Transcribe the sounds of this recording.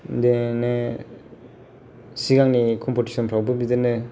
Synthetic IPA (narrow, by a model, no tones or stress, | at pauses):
dene | siɡaŋnikʰɔmpɔti̥sɔnpʰɾawbɯbidenɯ